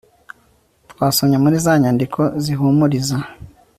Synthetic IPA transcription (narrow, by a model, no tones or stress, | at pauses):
twaːsoɲamuɾizaɲandikʰo̞ziɦumuɾiza